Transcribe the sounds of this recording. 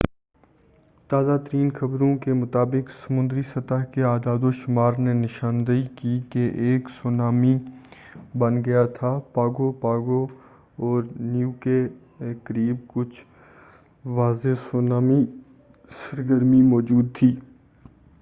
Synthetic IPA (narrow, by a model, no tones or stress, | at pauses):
t̪aːzaːt̪əɾiːnxɐbɾõkemʊt̪aːbɪksəmʊ̃nd̪ɾisɐt̪əɦkeaːd̪aːd̪oʃʊmaːɾnenɪʃaːnd̪əikikeʔeːksoːnaːmi | bɐnɡɐjat̪ʰaːpaːɡopaːɡo | ɔːɾnjuːke | kəɾiːbkʊt͡ʃʰ | ʋaːzesoːnaːmi | səɾɡəɾmimɔːd͡ʒuːd̪̚t̪ʰiː